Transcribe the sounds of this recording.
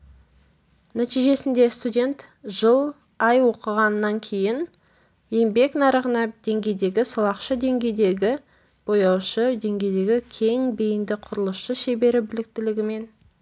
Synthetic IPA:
næt̪ijʒe̞sɪnd̪e̞st̪udʲe̞nt̪ʒ̥əlˠ | ɑjwo̞qəʁɑnːɑŋkʲʰe̞jɪn | je̞mbe̞knɑɾəʁənɑd̪̥e̞ŋɡʲe̞jd̪e̞ɡʲɪsəlˠɑqʃəd̪e̞ŋɡʲe̞jd̪e̞ɡʲɪ | b̥o̞jɑwʃəd̪e̞ŋɡʲe̞jd̪e̞ɡʲɪkʲʰe̞ŋbejɪnd̪ɪqʰʊɾəlˠəsʃəʃe̞be̞ɾɪbɪlɪk̚t̪ɪlɪɡʲɪme̞n

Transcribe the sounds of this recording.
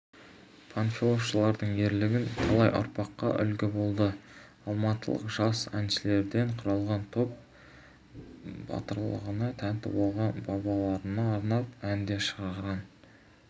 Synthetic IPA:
pʰonfʲilˠosʃəlˠɑɾd̪əɴe̞ɾlɪɡʲɪnq̪ʰɑlˠɑjʔʊ̰ɾpɑqːɑ̰ʔʏ̰lɡʲɪbo̞lˠd̪ə | ɑlˠmɑt̪ə̰lˠə̰qʒ̥ɑsæ̰nʃɪle̞ɾd̪e̞ɴqʰʊɾɑlˠʁɑnt̪ʰo̞p̚ | bɑ̰t̪əɾlˠə̰ʁənɑt̪ʰænt̪ɪ̰bɑlˠʁɑnbɑbɑlˠɑɾənɑːɾnɑp̚ænd̪e̞ʃəʁɑʁʁɑn

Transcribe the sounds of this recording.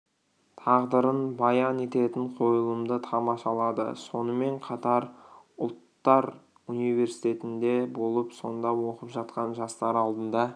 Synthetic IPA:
t̪ʰɑʁd̪əɾənbɑjɑne̞t̪e̞t̪ɪɴqʰo̞jəlˠəmd̪ət̪ʰɑmɑʃɑlˠɑd̪ə̰so̞nəme̞ɴqʰɑt̪ɑɾʊ̰lˠt̪ːɑɾ | unijve̞ɾsi̥jt̪e̞t̪ɪnd̪e̞bo̞lˠəpso̞nd̪ɑwo̞qəpʒɑt̪qɑnʒɑst̪ɑɾɑlˠd̪ənd̪ɑ

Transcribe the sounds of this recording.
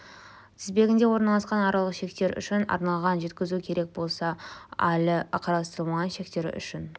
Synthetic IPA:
t̪ʰɪzbe̞ɡʲɪnd̪e̞wo̞ɾnɑlˠɑsqɑnɑɾɑlˠəqʃe̞k̚t̪e̞ɾʏ̰ʃɪnɑ̰ɾnɑlˠʁɑnʒe̞t̪kʲɪzukʲʰe̞ɾe̞k̚bo̞lˠsɑælɪqʰɑɾɑst̪əɾəmʁɑnʃe̞k̚t̪e̞ɾʏ̰ʃɪn

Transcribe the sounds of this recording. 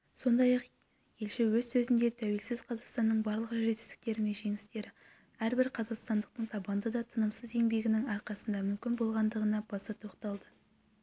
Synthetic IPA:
so̞nd̪ɑjɑq | je̞lʃɪwɵzsɵzɪnd̪e̞t̪ʰæwe̞lsɪz̥qʰɑzɑqst̪ɑnːəɴbɑɾlˠəqʒʒe̞t̪ɪ̥zd̪ɪk̚t̪e̞ɾɪme̞nʒe̞ŋɪst̪e̞ɾɪ | æɾbɪɾqʰɑzɑqst̪ɑnd̪əq̚t̪əɴt̪ʰɑbɑnd̪əd̪ɑt̪ʰənəmsəze̞ŋbe̞ɡʲɪnɪŋɑɾqɑsənd̪ɑmʏmkʲɪnbo̞lˠʁɑnd̪əʁənɑbɑsɑt̪ʰo̞qt̪ɑlˠd̪ə

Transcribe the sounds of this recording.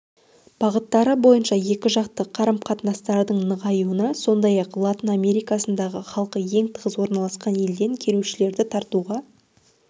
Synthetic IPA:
b̥ɑʁət̪ːɑɾəbo̞jənʃɑje̞kʲɪʒɑqt̪əqʰɑɾəmqʰɑt̪nɑst̪ɑɾd̪əɴnəʁɑjuənɑso̞nd̪ɑjɑqlˠat̪ʲiname̞ɾijkasənd̪ɑʁəχɑlˠqəje̞ŋt̪ʰəʁəzwo̞ɾnɑlˠɑsqɑnje̞ld̪e̞ŋkʲʰe̞ɾuwʃɪle̞ɾd̪ɪt̪ʰɑɾt̪uʁɑ

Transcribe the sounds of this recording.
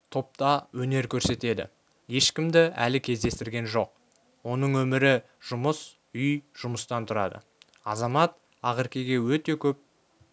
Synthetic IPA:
t̪ʰo̞p̚t̪ɑwɵne̞ɾkʲʰɵɾse̞t̪e̞d̪ɪ̰ | je̞ʃkʲɪmd̪ɪæ̰lɪkʲʰe̞zd̪e̞st̪ɪɾɡʲe̞nʒo̞q̚ | wo̞nəɴwɵmɪɾɪ | ʒ̥ʊməs | ʏjʒ̥ʊməst̪ɑnt̪ʰʊɾɑ̰d̪ə̰ | ɑzɑmɑt̪ | ɑʁɪɾkʲe̞ɡʲe̞wɵt̪e̞kʲʰɵp̚

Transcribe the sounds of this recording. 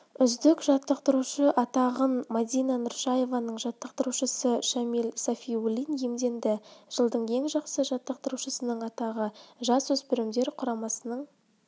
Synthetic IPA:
ʏzd̪ɪkʒɑt̪ːəq̚t̪əɾuʃəʔɑt̪ɑʁənmɑd̪ijnɑnʊɾʃɑje̞vɑnəɴʒɑt̪ːəqt̪əɾuʃəsəʃamilsafʲijulʲinje̞md̪e̞nd̪ɪʒ̥əlˠd̪əɴe̞ŋʒɑqsəʒɑt̪ːəq̚t̪əɾuʃəsənəɴɑt̪ɑʁəʒɑswɵzpʏɾɪmd̪e̞ɾqʰʊɾɑmɑsənəɴ

